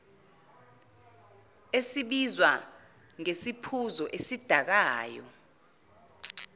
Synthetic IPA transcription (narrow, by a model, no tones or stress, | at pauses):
esiɓizwa | ŋesipʰuzɔʔesid̥ʱak̬aːjɔ̰